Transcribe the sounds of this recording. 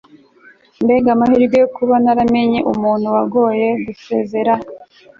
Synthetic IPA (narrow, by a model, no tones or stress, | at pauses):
mbe̞ɡamahiɾɡejokuβanaɾame̞ɲeʔumuːnhuwaɡo̞ːje̞ɡuse̞ze̞ɾa